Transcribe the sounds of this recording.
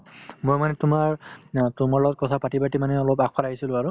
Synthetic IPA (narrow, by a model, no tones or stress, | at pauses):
mojmanɛtʊmaɹtumaɹlɔɡɔt̚kɔtʰapatibatimanɛɔlopakʰalaɦisilʊ̃aɹu